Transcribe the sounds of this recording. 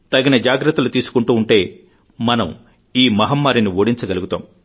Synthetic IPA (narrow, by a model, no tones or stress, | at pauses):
t̪ɐɡinɐd͡ʒaːɡɾɐt̪ːɐlut̪iːsu̥kuɳʈuːɳʈe̞ː | mɐnɐ̰m | iːmɐɦɐmːaːɾiniʋoːɽiɲt͡ʃɐɡɐluɡut̪aːm